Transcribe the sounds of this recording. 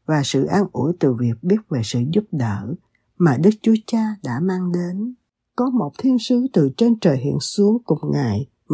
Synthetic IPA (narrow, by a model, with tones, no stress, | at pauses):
vaː˨˩sɨ̰˧˨ʔaː˧nʔu˧˩əjt̪ɨ˨˩vi˨˩ək̚ɓi˦˥ət̚ve˨˩sɨ̰˧˨zʊ˦˥p̚ɗəː˧˩ | maː˨˩ɗɨ˦˥k̚t͡ɕu˨˦ət͡ɕaː˧ɗa̰ː˧˥maː˧ŋɗe˨˦n | kɔ˨˦mo˨˩t̚t̪ʰi˧ənsɨ˨˦t̪ɨ˨˩t͡ɕe˧nt͡ɕəː˨˩jɦḭ˧˨ənsu˨˦əŋkʊ˨˩ŋ͡mŋa˨˩j